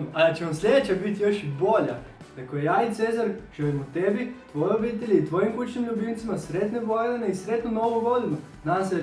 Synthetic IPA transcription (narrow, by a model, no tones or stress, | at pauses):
alit͡ɕeʋamslʲe̞d̪et͡ɕabit̪jo̞ʃibo̞ʎa̰ | d̪akojejaːit̪seːzaɾʒ̥elimut̪ebit̪ʋojeobiːt̪eʎʲeit̪ʋo̞jimkut͡ʃnimʎubint̪simasɾe̞t̪neʋojneneisɾe̞t̪nono̞ʋoʋo̞lino | nase